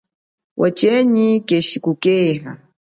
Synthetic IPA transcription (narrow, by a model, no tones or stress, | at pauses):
wʔat͡ʃɛɲikɛʃikukɛːɦa